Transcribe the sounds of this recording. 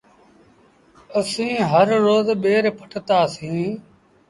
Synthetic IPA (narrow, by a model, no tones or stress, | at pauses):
əsĩːɦəɾːoːzɓeːɾpʰə̥ʈʰt̪aːsĩː